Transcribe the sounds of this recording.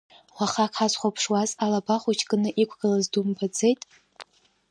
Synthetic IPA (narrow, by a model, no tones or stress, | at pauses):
χʷaχakħazχʷapʰʂwazalabaχʷut͡ʃʰɡʼɨnɨʔikʷʰɡ̥ɨlazdumpʰad͡ze̞jtʼ